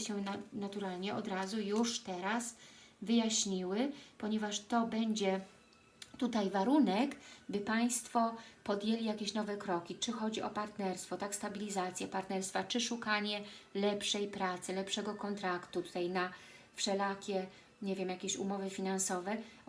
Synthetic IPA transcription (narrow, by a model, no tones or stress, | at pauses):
ɕɛnanat̪uɾalɲɛɔd̪ɾazujuʂt̪ɛɾasvɘjaɕɲiwɘpɔɲɛvaʂt̪ɔbɛɲd͡ʑɛ | t̪ut̪ajvaɾunɛkbɘpaj̃st̪fɔpɔd̪ʲjelʲijakʲeɕnɔvɛkɾɔkʲit͡ʂɘxɔd͡ʑiʔɔpaɾt̪nɛɾst̪fɔt̪akst̪abʲilʲizat̪sʲjɛpaɾt̪nɛɾst̪fat͡ʂɘʂukaɲɛlɛpʂɛjpɾat̪sɘlɛpʂɛɡɔkɔnt̪ɾakt̪ut̪u̥t̪ajna | fʂɛlakʲɛ | ɲevʲjɛmjakʲeɕṵmɔvɘfʲinansɔvɛ